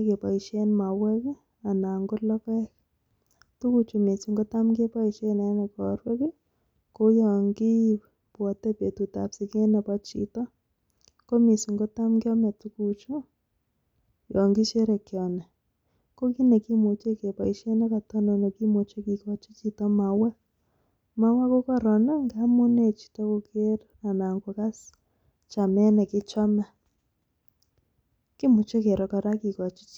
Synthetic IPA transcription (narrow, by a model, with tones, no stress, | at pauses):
ke˨pa˨i˨ʃe˦nma˨wɛ˦k | a˨na˨ŋɡɔ˦lɔ˦kɛ˦k | tu˦ku˦t͡ʃu˨me˨su˨ŋɡɔ˦ta˦mɡe˦pa˦i˨t͡ʃe˦na˨˦nɛ˨kɔɾwɛ˦ke˦ | ko˦jɔ˨ŋɡɪ˦ | pa˨tɛ˦pe˨tu˨ta̰˨psi˨ke˦nɛ˨pɔ˦t͡ʃḭ˦tɔ˦ | ko˦mi˨su˨ŋɡo˦ta˦mɡɪ˦ɔ˦mɛ˨tu˦ku˦t͡ʃo˦ | jɔ˨ŋɡɪ˦t͡ʃe˦ɾɛ˨kjɔ˨nɛ˨ | ko˦ki˦ne˨ki˦mu˨t͡ʃe˦ke˨pa˨i˨˦ʃe˦nɛ˦ka˨tɔ˦nɔ˨ne˨ki˦mo˨t͡ʃe˦ki˨kɔ˨t͡ʃi˦t͡ʃi˨tɔ˦ma˨wa˦ | ma˦wa˦ko˦kɔ˦ɾɔ˨nɛ˦ŋɡa˦mu˦ne˨t͡ʃi̥˨tɔ˦ko˨ke˦ɾ | na˨na˨ŋɡo˨ka˦s | t͡ʃa˨mɛ˦nɛ˨kɪ˦t͡ʃa˦ma˦ | ki˦mu˨t͡ʃe˦ke˨ɾɔ˨ka˨ɾa˦ki˨kɔ˨t͡ʃi˦t͡ʃ